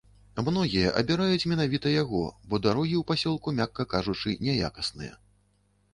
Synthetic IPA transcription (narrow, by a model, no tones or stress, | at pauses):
mnɔɣʲijɐʔɐ̰bʲiɾajut͡sʲmʲɛnavʲit̪ɐjaɣɔ̰bɔd̪aɾɔɣʲiwpasʲɔlˠkumʲakːɐkaʐut͡ʂɨnʲɛja̰kɐsnɨ̰jɐ̰